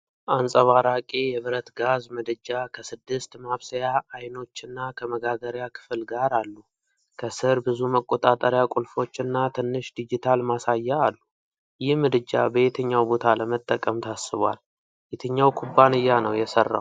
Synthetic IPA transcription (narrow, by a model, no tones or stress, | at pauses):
ʔansʼəβaɾakʼejɛβɨɾət̪ɡazmɨd̪ɨd͡ʒːakʰəsɨd̪ːɨst̪maβsəjaːjno̞t͡ʃːɨnːakʰəməɡaɡəɾjakʰɨ̥flɡaɾalːu | kʰəsɨɾbɨzuməkʼo̞t̪ʼat̪ʼəɾjakʼulfo̞t͡ʃːɨnːat̪ʰɨnːɨʃd̪id͡ʒit̪ʰalmasajːaalːu | jɪhmɨd̪ɨd͡ʒːa̰bəjet̪ʰəɲːawbo̞t̪ʰaləmət̪ʼːəkʼəmt̪ʰasːɨβwa̰l | bet̪ʰəɲːawkʰubːanɨjːanəwjɛsərːa̰w